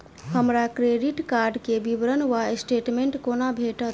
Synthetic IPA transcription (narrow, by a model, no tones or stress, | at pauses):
ɦəmɾakɾeɖiʈkaɾɖkebibɾənʋaesʈeʈmeɳʈkonabʱeʈət̪